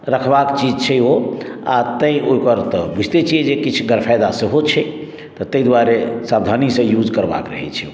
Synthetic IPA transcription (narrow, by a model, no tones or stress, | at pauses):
ɾəkʰbakt͡ʃid͡ʒt͡ʃʰɛoa̰t̪ə̃ĩoikəɾt̪ɔbud͡ʒʱt̪et͡ʃʰiɛd͡ʒekit͡ʃʰɡəɾpʰajd̪asəɦot͡ʃʰɛ | t̪ɔt̪əjd̪waɾesabd̪ʱanisə̃jud͡ʒkəɾba̰kɾəɦɛ̰t͡ʃʰɛo